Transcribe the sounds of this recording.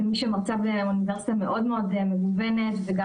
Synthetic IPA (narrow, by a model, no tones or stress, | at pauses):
miʃemaʁt͡sableuniveʁsit̪ame̞ʔo̞d̪meo̞d̪emeɡuvene̞t̪veɡa